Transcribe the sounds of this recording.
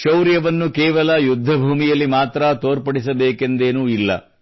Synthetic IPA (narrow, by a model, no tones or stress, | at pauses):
ʃɐwɾjɐʋɐnːukɛːʋɐlɐjud̪ʱːɐbʱuːmijɐlːimaːt̪ɾɐt̪oːɾpɐɽisɐbeːke̞nd̪eːnuːilːɐ̰